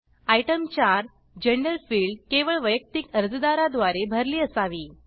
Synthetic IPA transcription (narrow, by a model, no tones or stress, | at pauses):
ajʈəmt͡ɕaɾ | d͡ʑeɳɖəɾfiːɭɖkeʋəɭʋəjək̚t̪ikəɾd͡zd̪aɾad̪ʋaɾebʱəɾliːəsaʋiː